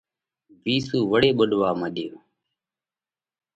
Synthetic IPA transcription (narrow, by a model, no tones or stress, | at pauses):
ʋiːsuːʋəɽeːɓʊɗʋaːməɗɪjoː